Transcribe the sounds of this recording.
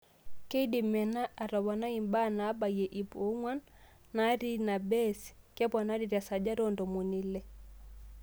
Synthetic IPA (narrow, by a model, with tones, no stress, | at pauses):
kɛ˦i˦di˨mɛ˨na˦ʔa˨ɾɔ˨βa˨na˦i˨mba˦na˨˦ba˨jɛ˨ʔi˨pu˨˦ŋwa˦nː | a˨˦ɾi˦na˨bɛ˦si̥˨kɛ˦pɔ˨na˦ɾi˨ɾja˨sa˨d͡ʒa˦ɾɔ˦ndɔ˨mu˨ni˨lɛ˦